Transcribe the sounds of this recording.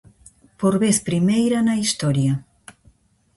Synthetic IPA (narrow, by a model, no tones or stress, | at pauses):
poɾβeθpɾimejɾɐnɐist̪ɔɾjɐ